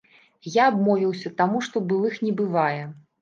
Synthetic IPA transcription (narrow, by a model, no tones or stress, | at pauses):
jaːbmɔvʲiwsʲɐt̪amuʂt̪ɔbɨlˠɨxnʲɛbɨvajɛ